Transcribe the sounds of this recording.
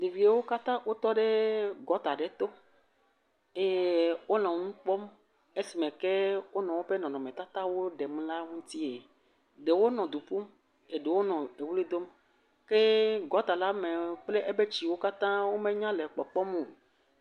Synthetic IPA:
ɖe˨vi˨e˦wo˦ka˦t̪ã˦wʔo˦t̪ɔ˦ɖe˦ɡɔ˨˦t̪a˨ɖe˦t̪o˦ | e˦jwo˦l̃ɔ̃˨˦ŋũ˦k͡pɔ˦m | e˦si˨mẽ˨ke˦wo˦nɔ̃˨wo˦ɸe˦nɔ̃˨nɔ̃˨mẽ˨t̪a˦t̪a˦wo˦ɖe˨mũ˦la˦ŋũ˦t̪i˦e˨ | ɖe˨wo˦nɔ̃˨d̪u˨ɸu˦m | e˨ɖe˨wo˦nɔ̃˨e˨wu˦le˦d̪o˦m | ke˦ɡɔ˨t̪a˨la˦me˨k͡ple˦ʔe˦be˦t͡ɕi˨wo˦ka˦t̪ã˦wo˦mẽ˦ɲã˦le˨k͡pɔ˨k͡pɔ˦m˦o˨

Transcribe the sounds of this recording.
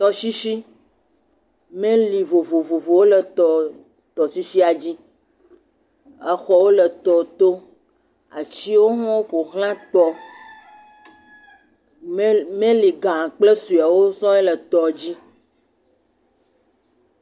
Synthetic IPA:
t̪ɔ˦ʃi˦ʃi˦ | mẽ˦li˨vo˨vo˨vo˨vo˨wo˦lə˨t̪ɔ˨ | t̪ɔ˨si˦ʃi˦a˨d͡ʑi˦ | ɛ˦xɔ˨wo˦lə˨t̪ɔ˨t̪o˦ | a̰˨t͡ɕi˦wo˦ɦɔ̃˦wo˦ɸo˨ɦlã˦t̪ɔ˦ | mẽ˦li˨ɡã˨k͡ple˦su˨a˨wo˦sɔ̃˦ɛ˦lə˨t̪ɔ˨d͡ʑi˦

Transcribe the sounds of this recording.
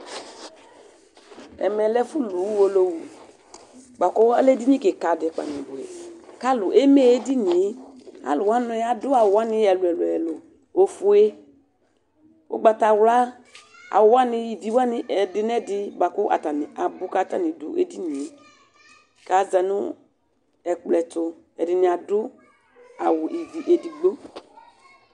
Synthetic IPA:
ɛ̰˨mɛ˨lɛ˦fu˦lu˨wwo˨lo˦wu˨ | ɡ͡ba˨kɔ˦a˦lɛ˦di˦ni˦ke˨ka˨dɪ˨k͡pa̰˨ni˨bʊ˨ɛ̰˨ka˦lʊ˨ʔe˦me˦e˦di˦ni˨˦a̰˦lʊ˨wa˦nʊ˦ɛ˦a˨dʊ˦a˨wwa˦nɪ˦ɛ˨lʊ˨ɛ˨lʊ˨ɛ˨lʊ˨ | o˨fu˨e˦ | o̰˦ɡ͡ba˧ta˧wla˦ | a̰˨wʊ˨wa˦nɪ˧i˨vi˨˦wa˦nɪ˨ʔɛ˨dɪ˨˦n˦ɛ˦dɪ˦ba˨kʊ˦ʔa̰˨ta˨ni˨ʔa˨bʊ˦ka˦ta˦ni˨du˨ʔḛ˦di˦ni˨˦ | ka˨za˨nʊ˦ | ɛ˨k͡plɛ˨tʊ˨ | ɛ˨dɪ˨nɪ˨a˨dʊ˦ | a˨wʊ˨ʔi˨vi˨ʔe˨di˨ɡ͡bo˦

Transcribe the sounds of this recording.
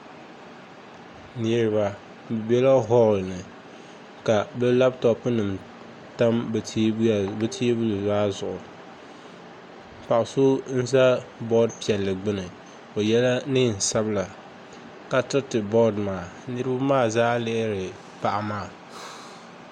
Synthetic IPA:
ni˦ɾɨ˦ba˦ | bɨ˨bɛ˦la˦ɦɔ˦˨lnɨ˨ | ka˨bɛ˦la˦btɔ˦pnɨ˨m | ta˦m˨˦˨ | bɨ˦tʰi˦bu˦lʊ˨zaː˦zʊ˨ʔʊ˨ | pa˨ʔʊ˨sʊ˦n̩˦za˦bɔ˦dpi˨ɛ˨lːɨ˨ɡ͡bɨ˦nɨ˨ | o˨jɛ˦la˦nɨ˦n̩˨sa˦bla˨ | ka˨tɨ˦tɨ˨bɔ˦dmaː˨ | nɨ˦ɾɨ˦ba˦maː˦˨zaː˦lɛ˦ɾɪ˨ | pa˦ʔa˦maː˦˨

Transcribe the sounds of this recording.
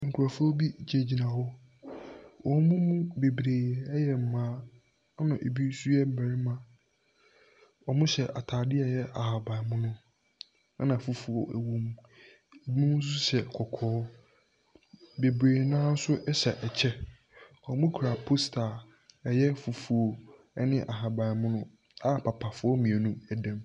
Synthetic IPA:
ŋ̩˨kʰu˨ɾa˨fbi˦d͡ʑe˨d͡ʑi˨nã˨hɔ˦ | wʔɔ̃˨n˦mʊ̃˦mũ˦be˨bɾeː˨ɛ˨˦jɛ˨m̩˨mãː˨˦ | nʊ̃˨ʔe˨bi˦su˦ɛ˦m̩˦˨bæ̃˨ɾi˦mã˨ | ɔ˨mʊ̃˦ɕɛ˨ʔa˨tʰaː˨dɪ˦ɛ˨jɛ˦a˨ha˨ba˨mʊ̃˦nʊ̃˦ | a˦nã˨fu˨fu˨ɔ̰˨æ˨wõ˨m˨ | e˨bi˦mĩ˦mũ˦sʊ˦ɕɛ˨kʰɔ˨kʰɔː˦ | be˨bɾeː˨nãː˦sʊ˦ʔɛ˦ɕɛ˨ʔɛ˨t͡ɕʰɛ˦ | ɔ˨mʊ̃˦kʰu˨ɾa˨pʰo˦stʰa˨ | ɛ˨jɛ˦fu˨fu˨o˨ | ɛ˦nɪ̃˦ʔa˨ɦa˨ba˨mʊ̃˦nʊ̃˦ | a˦˨pʰa˨pʰa˨fʊ˦ɔ˦mĩ˨e˨nũ˦ɛ˨dã˦m

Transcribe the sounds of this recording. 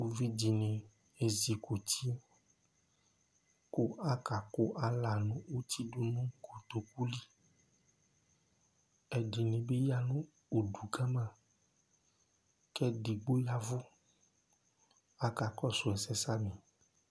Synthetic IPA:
wu˨vi˦d͡ʒi˨nẽ˨ | e˨zi˨ko˨t̪ʰi˦ | ko˦a˦ka˨ko˦ʔa˨la˨nũ˦o˦t̪i˦ɖo˦nũ˦ɡo˨d̪o˨ku˦li˦ | ɛ˨d͡ʒi˨nẽ˨be˦ja˦nũ˦ | o˨ɖu˨ɡa˦mã˨ | kɛ˦ɖi˨ɡ͡bo˦ja˨vo˦ | a˨ka˨kɔ˦su˨ɛ˨sɛ˦sa˦mĩ˨

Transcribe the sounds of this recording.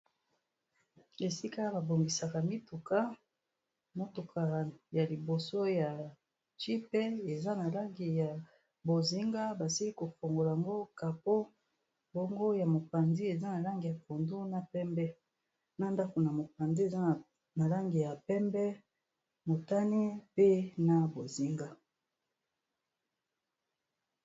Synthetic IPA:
e˨si˦ka˦ba˨bo˨ŋɡi˨sa˨ka˨mi˦tu˨ka˦ | mo˦tu˨kʰa˨ja˨li˨bo˨so˦ja˨ | t͡ʃi˦pe˦e˨za˦na˨la˦ŋɡi˨ja˨ | bo˨zi˦ŋɡa˦ba˨si˦li˦ko˨fo˨ŋɡo˨la˨a˨ŋɡo˦ka˨po˦ | bo˦ŋɡo˦ja˨mo˨pa˨ndi˦e˨za˦na˨la˦ŋɡi˨ja˨fo˨ndu˦na˦pɛ˦mbɛ˦ | na˦nda˦ko˨na˨mo˨pa˨ndi˦e˨za˦˨ | na˨la˦ŋɡi˨ja˨pɛ˦mbɛ˦ | mo˨ta˦ni˦pe˦na˨bo˨zi˦ŋɡa˦

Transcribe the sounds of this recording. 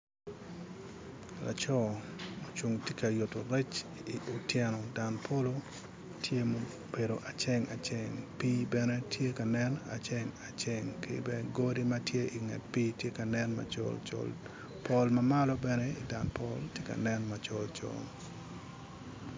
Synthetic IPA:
la̰˨t͡ʃɔ˦mo˨t͡ʃu˨ŋtje˦ka˨jo˨to˨ɾɛ˦t͡ʃiʊtjɛ˦nɔ˨da˨npʰo˦lo˦ | tʰje˦mo | be˨ɾo˨ʔa˨t͡ʃe˦ŋa˨t͡ʃeŋpiː˦bɛ˦ne˦tʰje˦ka˨nɛ˦na̰˨t͡ʃe˦ŋa˨t͡ʃe˦ŋkḛbɛnɡoɾi˦matje˦ʔɪ˨ŋɛ̰˨t̚piː˦tje˦ka˨nɛnma̰t͡ʃɔ̰lt͡ʃɔ̰l | pʰɔ˦lmamalɔbɛnɛi˨da˨npɔltje˦ka̰˨nɛnmat͡ʃɔ˨lt͡ʃo̰ŋ

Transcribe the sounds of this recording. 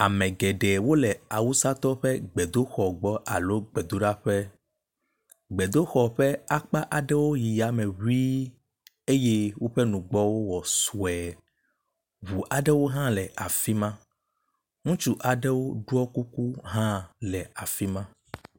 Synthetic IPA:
a˨mɛ̃˨ɡɛ˨ɖɛ˨wo˦lɛ˨a˨wu˦sa˦t̪ɔ˦ɸɛ˦ɡ͡bɛ˨d̪o˦xɔ˨ɡ͡bɔ˦ʔa˨lo˦ɡ͡bɛ˨d̪o˦ɖa˦ɸɛ˦ | ɡ͡bɛ˨d̪o˦xɔ˨ɸɛ˦a˦k͡pa˦ʔa˨ɖɛ˦wo˦ji˨ja˨mɛ̃˨wi˦ | e˦je˦wo˦ɸɛ˦nũ˨ɡ͡bɔ˦wo˦wɔ˨su˨ɛ˨ | βu˨ʔa˨ɖɛ˦wo˦ɦã˦lɛ˨ʔa˨fi˦mã˦ | ŋũ˦t͡ʃu˦ʔa˨ɖɛ˦wo˦ɖu˦ɔ˦ku˦ku˦ɦã˦lɛ˨a˨fi˦mã˦

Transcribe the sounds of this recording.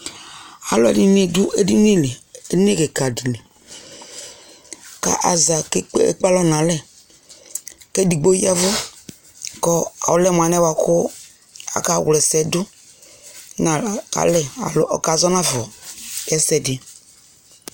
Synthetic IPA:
a̰˨lɔ˦di˨ne˦dʊ˦ʔe˦di˦ni˦le˨e˦n˦e˦˨ke˨ka˨di˨le˨ | ka̰˨ʔa˨za˨kḛ˦k͡pa˦lɔ˦nã˨lɛ˨ | kɛ˦di˨ɡ͡bo˦ji˦a˦vɔ˦ | kɔ˦a̰˨wʊ˨˦lɛ˦˨m˨a˨nɛ˦wa˨kʊ˦ | a̰˨ka˨wlɛ˨sɛ˨dʊ˦ | na˨a̰˨lɛ˦a̰˨lʊ̰˦ʔɔ̰˨ka˨zɔ˦nã˦vɔ˨jɛ˦sɛ˨dɪ˨

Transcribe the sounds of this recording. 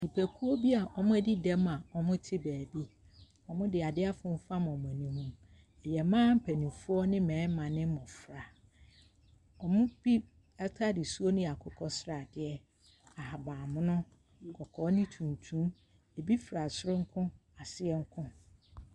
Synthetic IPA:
nĩ˨pʰæ˨kʰu˦ɔ˦bi˦a˨ʔɔ˨mʊ̃˦æ˦di˦dɛ˦ma˨ɔ˨mʊ̃˦tʰɪ˦bæː˨bi˦ | ɔ˨mʊ̃˦dɪ˨a˨dɪ˦a˦fʊ̃˦m̩˦fa˦m˨ɔ˨mʊ̃˨æ˨nĩ˦hũ˦m | ɛ˨jɛ˨mãː˦m̩˦pʰæ˨nĩ˨fu˦ɔ˦nɪ̃˦mɛ̃ː˨˦mã˨nɪ̃˦mɔ̃˨fɾa˨ | ɔ˨mʊ̃˦bi˦ | ɛ˦tʰa˦dɪ˨su˦o˦nʊ̃˦˨a˨kʰʊ˦kʰɔ˦sɾa˨dɪ˦ɛ˦ | a˨ha˨baː˨mʊ̃˦nʊ̃˦˨ | kʰɔ˨kʰɔː˨˦nɪ̃˦tʰũ˨n˨tʰũ˦m | e˨bi˦fɾa˨sʊ˦ɾʊ̃˦ŋ̩˦kʰʊ̃˦a˨sɪ˦ɛ˦ŋ̩˦kʰʊ̃˦

